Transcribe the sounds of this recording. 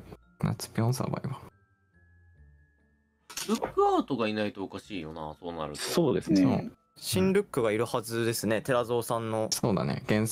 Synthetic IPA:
na̰t͡sɨ̥pʲiõñsa̰ba̰iβa | bɯ̟kːɯ̟aːt̪o̞ɡainait̪o̞ːkaɕiːjona̰so̞ːna̰ɾɯ̟soːd̪e̞sɨnno̰ | ɕĩnɾɯ̟kːɯ̟ɡaiɾɯ̟hazɨd̪e̞sɨne̞t̪e̞ɾazo̞ːsãnːo̞soːd̪a̰nḛɡ̥ẽɰ̃

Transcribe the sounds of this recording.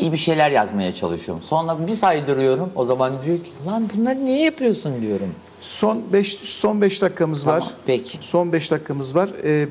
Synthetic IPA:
ijbiʃe̞jlʲæɾjazmajat͡ʃʰalˠɯʃɯjo̰mso̞nɾabisajd̪ɯɾɯjo̞ɾumo̞zamand̪ijo̞cʰilˠanbunlˠaɾɯnejɛjapʰɯjo̞sund̪ijo̞ɾum | so̞nbɛʃso̞nbɛʃd̪akʰːamɯzvaɾpʰɛcʰso̞nbɛʃd̪akʰːamɯzvaɾ̥ɛː

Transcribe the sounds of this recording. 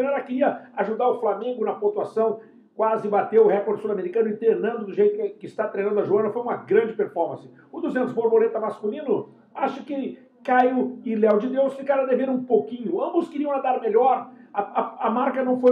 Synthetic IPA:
nɛɾɐkɪɾiɐaʒud̪aɾʊflamẽŋɡʊnɐpõt̪uasɐ̃w̃ | kwazɪbat̪ewʊhɛkoɾd͡ʒsulameɾikɐ̃nʊɪ̃t̪eɾnɐ̃nd̪ʊd̪ʊʒejt̪ʊkɪst̪at̪ɾejnɐ̃nd̪ɐʒuɐ̃nɐfojũmɐɡɾɐ̃d͡ʒɪpeɾfɔɾmɐ̃sɪ̥ | ʊd̪ʊzẽnt̪ʊzboɾboɾet̪ɐmaskulĩnʊ | aʃɐkɪ | kajʊilɛwd͡ʒɪd̪ewsfikaɾɐd̪eveɾũpokĩɲʊɐ̃mbʊskɪɾiɐ̃w̃ad̪aɾmeʎɔɾɐɐɐmaɾkɐnɐ̃w̃foj

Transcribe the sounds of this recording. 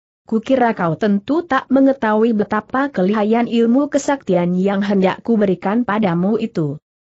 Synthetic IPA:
kukiɾakawt̪ənt̪ut̪aʔməŋət̪auibət̪apakəliɦajanilmukəsak̚t̪ianjaŋɦənda̰ʔkubəɾikanpadamuʔit̪u

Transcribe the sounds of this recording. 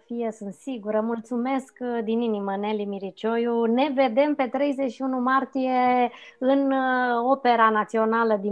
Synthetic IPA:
fijesɨnt̪siɡuɾəmult̪sume̞skd̪ininiməne̞limiɾit͡ʃo̞june̞ve̞d̪e̞mpe̞t̪ɾe̞jze̞ʃiunumart̪ije̞ | ɨno̞pe̞ɾanat̪sio̞naləd̪i

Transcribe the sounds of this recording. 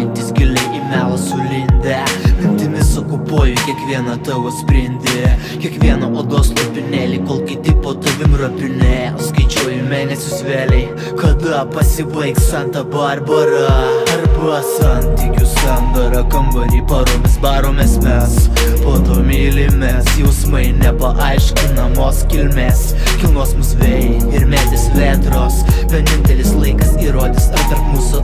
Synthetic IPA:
nʲt̪ʲɪsɡʲɪlʲɛʔimʲælˠsʊlʲɪnʲd̪ʲɛnʲɪnt̪ʲɪmʲɪsɐkʊpuɔjʊkʲiɛkʋʲiɛnɐt̪ɐʋosʲpʲɾʲɪnʲd̪ʲɪ | kʲiɛkʋʲiɛnɐʔoːd̪oːslˠɐpʲɪnʲeːlʲikoːlˠkʲɪt̪ʲɪpoːt̪ɐʋʲɪmɾɐpʲɪnʲæskɐɪt͡ʃʲɛʊjɪmʲeːnʲɛsʲʊsʋʲeːlʲɛɪ | kɐd̪ɐpɐsʲɪbɐɪkssʲɛnt̪ɐbɐrbɐɾɐɐɾbʊsɐnʲt̪ʲiːkʲʊskɐnd̪ɐɾɐkɐmbɐɾʲiːpɐɾomʲɪsbɑːɾomʲesmʲɛs | poːt̪oːmʲiːlʲɪmʲɛsjɛʊsmɐɪnʲɛpɐʔɐɪʃʲkʲɪnɐmoːskʲɪlʲmʲeːs | kʲɪlˠnoɔsmʊsʋʲeːljɛ | ɪɾmʲeːt̪ʲɪsʋʲeːt̪ɾoːsʋʲɛnʲɪnʲt̪ʲɛlʲɪslˠɐɪkɐsiːɾoːd̪ʲɪsɐɾt̪ɐɾpmuːsʊ

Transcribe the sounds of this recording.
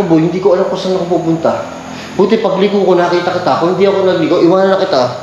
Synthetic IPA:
bohɪnd̪iːkoʔɐlamkosɐnɐkɐpup̬ʊnt̪ɐ | buːt̪ɛpɐɡlikoko̞nɐkiːt̪ɐkɪt̪akohɪnd̪iʔɐko̞nɐɡliːkowʔɪwaːnɐnːɐkɪt̪a

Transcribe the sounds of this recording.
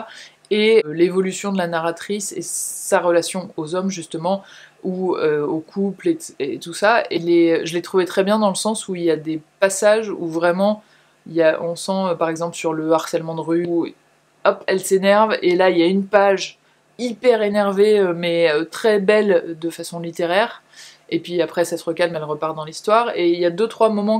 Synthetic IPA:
elevɔlysjɔ̃d̪əlanaʁat̪χisḛsaʁəlasjɔ̃ozɔmʒyst̪əmɑ̃uøokʰupleet̪usaeleøʒəlɛt̪χuvet̪χɛbjɛ̃d̪ɑ̃ləsɑ̃suiljad̪epasaʒṵvʁɛmɑ̃ | iljaʔɔ̃sɑ̃øpaʁɛɡzɑ̃pləsyʁləaʁsɛlmɑ̃d̪əʁy | ɔpɛlsenɛʁvelailjaynpaʒ | ipɛʁenɛʁveømɛøt̪χɛbɛld̪əfasɔ̃lit̪eʁɛːʁ | epɥiapχɛsɛt̪ʁəkalmɛlʁəpaʁd̪ɑ̃list̪waʁeiljad̪øt̪χwamɔmɑ̃

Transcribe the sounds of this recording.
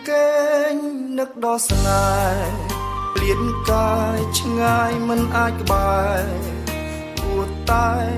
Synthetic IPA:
keːɲ | nɨk̚ɗɑːsnaː | pʰliənkat͡ɕʰŋaːjmɨnʔaːc̚kə̆ɓaːl | puət̪aɛ

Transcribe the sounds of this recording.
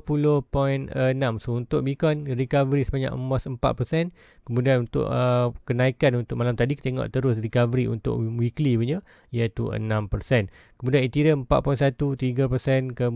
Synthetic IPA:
pulohpɔinənãmsount̪ʊʔ̚bikɔnrikavəɾisəbaɲa̰ʔmosəmpa̰ʔ̪̚pərsɛn | kəmudianunt̪ʊ̰ʔəkənaikanunt̪ʊk̚ʔmalamt̪adikət̪eŋɔ̰ʔt̪əɾʊsrikavəɾiṵnt̪ʊ̰ʔwiklibuɲə | jət̪uə̰nãmpərsɛn | kəmudianit̪iɾəəmpa̰ʔ̪̚pɔinsat̪ut̪iɡapərsɛnkə

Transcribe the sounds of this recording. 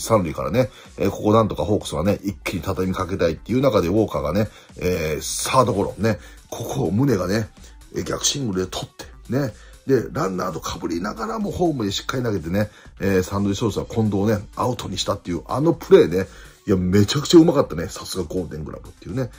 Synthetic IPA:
sãnɾʲika̰ɾa̰ne | eːko̞ko̞nãnt̪o̞kaɦoːkɯ̥soɡane̞ʔikʲːiɲ̟it̪at̪aimʲikake̞t̪ait̪ːe̞iɯ̟nakad̪e̞o̞ːkaɡane̞ | eːsaːd̪o̞ko̞ɾo̞̰ne̞ | kʰo̞kʰomɯ̟ne̞ɡane̞ | ḛːɡʲakɯ̟̥ɕĩŋɡɯ̟ɾɯ̟d̪et̪ʰo̞t̪ʰːe̞̥ | ne̞ | d̪e̞ɾãnd̪aːd̪o̞kʰabɯ̟ɾʲinaɡaɾamo̞ːhõ̞ːmɯd̪eɕi̥kːaɾʲinaɡe̞t̪e̞ne | eːsãnd̪oiso̞ːsɨɡakʰõ̞nd̪o̞ːne̞aɯ̟t̪o̞ɲ̟iɕi̥t̪at̪ːe̞iɯ̟ʔa̰no̞pɯ̟ɾe̞ːne | iame̞t͡ɕakɯ̟̥t͡ɕaɯ̟makat̪ːanesḁsɨɡaɡo̞ːt̪ẽ̞ŋɡɯ̟ɾa̰bɯ̟t̪ːe̞iɯ̟ːne̞

